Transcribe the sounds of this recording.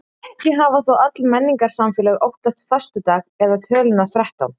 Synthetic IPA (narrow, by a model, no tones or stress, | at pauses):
jɛɦaːvaθawat̪lmɛnːiŋkaɾ̥samfɛːlɛɣowht̪ast̪fœr̥st̪ʏt̪aːɣɛðat̪ʰœːlʏnaθɾɛht̪a̰wm